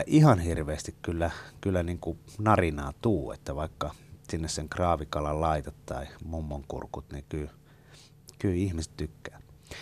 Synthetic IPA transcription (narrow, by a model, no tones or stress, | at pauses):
æʔihɑnhirʋeːst̪ikkylːækylːæniːŋkunɑrinɑːt̪uːḛt̪ːæʋɑikːɑsinːesseŋkrɑːʋikɑlɑllɑit̪ɑt̪t̪ɑimumːoŋkṵrkut̪nekyː | kyːihmise̥t̪t̪ykːæː